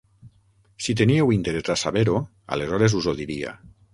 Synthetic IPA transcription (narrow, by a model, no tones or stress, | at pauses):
sit̪eniewint̪eɾezasaβeɾo | a̰lezɔɾezuzoðiɾia̰